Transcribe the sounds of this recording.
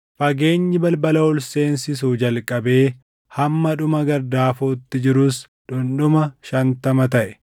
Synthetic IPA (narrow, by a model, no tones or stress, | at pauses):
fɐɡe̞ːɲːɪbɐlbɐlɐʊlse̞ːnsɪs̬uːd͡ʒɐlkʼɐbe̞ː | hɐmːɐᶑʊmɐɡɐɾd̪aːfoːt̪ːɪd͡ʒɪɾʊs | ᶑʊnɗʊmɐʃɐnt̪ɐmɐt̪ɐʔɛ̥